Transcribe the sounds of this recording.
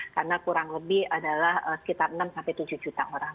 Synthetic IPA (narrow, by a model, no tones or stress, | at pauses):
karnakuɾaŋləbɪhadalahəsə̥kit̪arənamsampajt̪ud͡ʒuhd͡ʒut̪aʔoɾaŋ